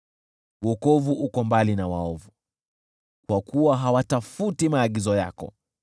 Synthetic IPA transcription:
wɔkɔvuʔukɔmbalinawaɔvu | kwakuwaɦawatafutimaːɠizɔja̰kɔ̰

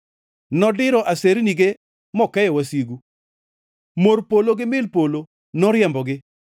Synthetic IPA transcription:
nɔdɪɾɔʔaseɾniɡe | mɔkɛjɔwasiɡu | moɾpoloɡɪmɪlpolo | nɔɾɪjɛmbɔɡɪ

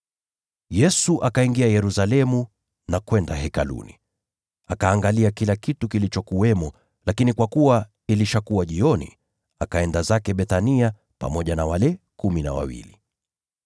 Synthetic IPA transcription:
jɛsuʔakaiŋɡiajɛɾusalɛmu | nakwɛndaɦɛkalṵnḭ | akaːŋɡaliakilakitukilit͡ʃɔkuwɛmɔ | lakinikwakuwa | iliʃakuwaʄiɔnḭ | akaɛndazakɛɓɛθania | pa̰mɔʄanawalɛkumina̰wa̰wḭli

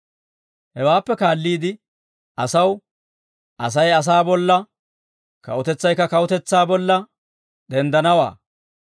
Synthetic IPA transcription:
hɛwaːpːɛkaːlːiːd̪ɪ | ɐsɐw | ɐs̬ɐjɐs̬aːbɔlːɐ | kɐ̰ʔʊt̪ɛt͡sːɐjkːɐkɐʊt̪ɛt͡sːaːbɔlːɐ | ɗ̪ɛnd̪ɐnɐwa̰ː

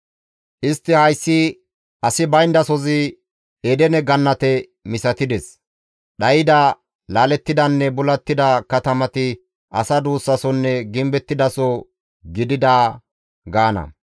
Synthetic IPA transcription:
ʔɪst̪ːɪhɐjsːɪ | ʔɐsɪbɐjnd̪ɐsɔzɪ | ed̪ɛnɛɡɐnːɐt̪ɛ | mɪsɐt̪ɪd̪ɛs | ɗɐjɪd̪ɐ | laːlɛt̪ːɪd̪ɐnːɛbʊlɐt̪ːɪd̪ɐkɐt̪ɐmɐt̪ɪ | ʔɐsɐd̪uːsːɐsɔnːɛɡɪmbɛt̪ːɪd̪ɐsɔ | ɡɪd̪ɪd̪aː | ɡaːnɐ̰

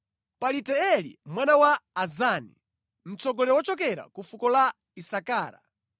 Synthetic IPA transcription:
palitɛɛlḭmwanawaːzanḭ | m̩t͡sɔɡɔlɛwɔt͡ʃɔk̬ɛɾa̰kufukɔla | isakaːɾa̰

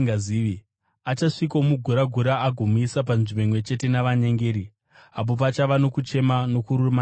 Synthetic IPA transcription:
ɡaziːʋi | at͡ʃaʂikoomuɡʱuɾaɡʱuɾaːɡʱomuisap̬anʐimeŋwe̞t͡ʃe̞te̞naʋaɲeŋɡeːɾi | ap̬o̞p̬at͡ʃaʋano̞kut͡ʃe̞mano̞kuruma

